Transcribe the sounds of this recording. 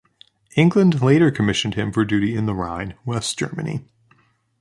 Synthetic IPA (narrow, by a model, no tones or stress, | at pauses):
ɪ̃ŋɡlə̃nleɪɾə˞kʰəmɪʃɨ̃n̩d̚ɨ̃ɱfə˞dʉɾiɨ̃nðəɹãɪ̃nwɛsd̥ʒ̥ɜ̰˞mɨnḭ